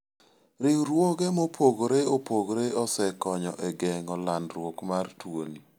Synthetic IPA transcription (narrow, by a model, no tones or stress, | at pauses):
ɾɪɾwoɡemɔpʰoɡɾeopoɡɾeɔsɛkɔɲɔ̰ʔɛɡɛŋɔlanɾwokmartwo̰ni